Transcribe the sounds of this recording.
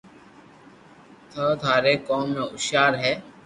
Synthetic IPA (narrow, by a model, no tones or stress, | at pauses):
t̪ʰəːt̪ʰaːɾeːkoːmːẽːʊʃjaːɾɦɛː